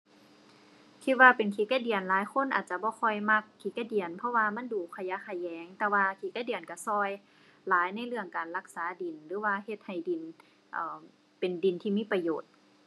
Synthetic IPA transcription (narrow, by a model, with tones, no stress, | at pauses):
kʰi˧t̪̚waː˧pe˨˩nkʰi˧˦ka˧˩di˨˩ənlaː˨˦jkʰo˧˥˨nʔa̰ː˨˩t̪̚t͡ɕa˧bɔː˧˦xʰɔ˧˩jma˧˥kʰːiː˧˦ka˧˩di˨˩ənpʰɔ˧˥waː˧ma˧˥˨nduː˨˩kʰa˧ja˧˥˨kʰa˧˩jːɛː˨˦ŋt̪ɛː˧waː˧kʰiː˧˩ka˧˩di˨˩ənka˧˩sɔː˧˩j | laː˨˦jna˧˥˨jlɯ˧˩əŋkaː˨˩nla˧˩k̚saː˨˦di˨˩nlɯː˨˦waː˧˨he˧t̪̚ha˨˩jdi˨˩n | ʔɤː˨˩ | pe˨˩ndi˨˩nt̪ʰiː˧miː˧˥˨pa˧joː˨˩t̪̚